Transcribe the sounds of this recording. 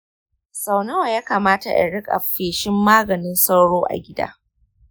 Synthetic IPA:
sa˨wnɐ˦wa˨jaː˦kaː˨maː˦ta˨ʔɪ̰˨ɽɪ˦kʼa̰˨ɸeː˨ʃɪ˦mːaː˦ɡɐ˨nɪ˦nsa˦wɽoː˦ʔa̰˨ɡʲɪ˦da̰ː˦

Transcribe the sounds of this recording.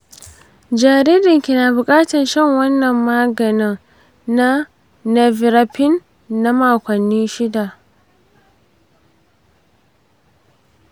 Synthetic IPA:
d͡ʒaː˨ɾiː˦dɪ˨ŋkʲi˨naː˨bʊ˨kʼaː˦tɐ˨nʃɐ˦ŋwɐ˦nːɐ˨mːaː˦ɡɐ˨nɪ˦ŋ | na˦ | nɛ˨vɪ˨ɾa˨˦pɪ˦nː | a˦maː˨kʷɐ˨nːiː˦ʃɪ˦da˨ʔ

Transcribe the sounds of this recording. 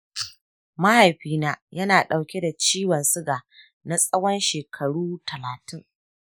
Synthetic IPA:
ma˦ha˨jɸiː˦naː˦jɐ˦naː˨ɗa˨wkʲe˦da˨t͡ʃiː˦wɐ˨nsʊ˦ɡaː˨ | na˦sʼɐ˦wɐ˦nʃeː˨kʰɐ˨ɽuː˦tʰɐ˨laː˨tɪ˦ŋ

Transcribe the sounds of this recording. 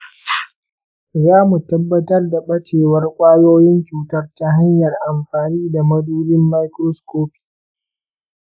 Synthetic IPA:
zaː˦mu˨tɐ˦bːɐ˦tɐ˦rda˨ɓɐ˦t͡ʃeː˨wɐ˦rkʷʼaː˦joː˦jɪ˦nt͡ʃuː˨tɐ˦rta˦ɦa˦ɲjɐ˨rʔa˨mɸaː˨niː˦da˨mɐ˦duː˦lɪ˦mːa˦jkɾɔ˦skoː˦pi̥˨

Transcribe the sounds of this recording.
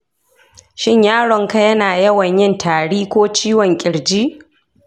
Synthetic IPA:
ʃɪ˦ɲjaː˦ɽɔ˨ŋka˦jɐ˦naː˨jɐ˦wɐ˨ɲjɪ˦ntʰaː˨ɽiː˦kʷoː˦t͡ʃiː˦wɔ˨ŋkʲʼɪ˨ɽd͡ʒiː˦

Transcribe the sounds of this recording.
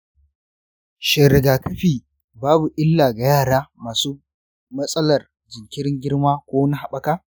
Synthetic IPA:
ʃɪ˨ɾɪ˨ɡaː˨kɐ˦ɸiː˦˨ | baː˦bu˨ʔɪ˦lːaː˨ɡa˨jaː˦˨ɽaː˦maː˨suː˦ | mɐ˦sʼɐ˦lɐ˨r | d͡ʒɪ˨ŋkʲɪ˦ɽɪ˦ŋɡʲɪ˦ɽmaː˦kʷoː˦wni˦ha˨ɓɐ˦kaː˦

